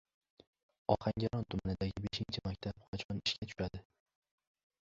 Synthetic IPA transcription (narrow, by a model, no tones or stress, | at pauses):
ɒhaŋɡʲaɾɒnt̪ʰʊmanɪd̪aɡʲɪbeʃɪnt͡ʃʰɪmak̚ʲt̪ʰapqʰɑt͡ʃʰɒnɪʃkʰʲat̪ʰʊ̥ʃad̪ɪ